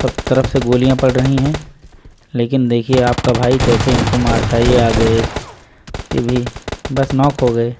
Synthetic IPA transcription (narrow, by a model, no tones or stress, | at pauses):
sɐb̚t̪ɐɾəfseɡoːlijãpɐɽɾəɦĩɦɛ̃ | leːkɪnd̪eːkʰieaːpkabʱaːikɛːseɪnkomaːɾkʰaːieaːɡɐe | k̪ebʱibɐsnɔːkɦoɡɐeː